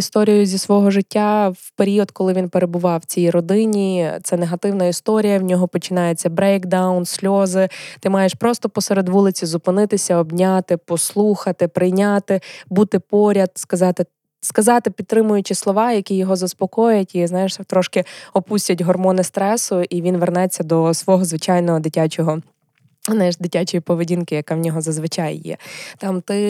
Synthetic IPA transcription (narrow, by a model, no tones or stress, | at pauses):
ist̪ɔɾʲijʊzʲisʋɔɦɔʒɪtʲːawpeɾʲiɔd̪kɔlˠɪʋʲinpeɾebʊʋɑwt͡sʲijɾɔd̪ɪnʲit̪sɛneɦɐt̪ɪwnɐist̪ɔɾʲijɐwnʲɔɦɔpɔt͡ʃɪnɑjʊt͡sʲːɐbɾɛjkd̪awnsʲlʲɔzɪt̪ɪmɑjeʃpɾɔst̪ɔpɔseɾed̪ʋulˠɪt͡sʲizʊpɪnɪt̪ɪsʲɐɔbnʲat̪ɪpɔslˠuxɐt̪ɪpɾɪjnʲat̪ɪbut̪ɪpɔɾʲɐd̪̚skɐzɑt̪ɪ | skɐzɑt̪ɪpʲid̪̚t̪ːɾɪmʊjʊt͡ʃɪslˠɔʋɑjɐkʲijɔɦɔzɐspɔkɔjjɐtʲiznɑjeʃt̪ɾɔʃkɪɔpusʲtʲɐtʲɦɔrmɔnɪst̪ɾɛsʊʔiʋʲinʋernɛt͡sʲːɐd̪ɔsʋɔɦɔzʋɪt͡ʃɑjnɔɦɔd̪ɪtʲat͡ʃɔɦɔ | znajeʃd̪ɪtʲat͡ʃɔjipɔʋedʲinkɪjɐkawnʲɔɦɔzɐzʋɪt͡ʃajːɛ̰t̪ɑmt̪ɪ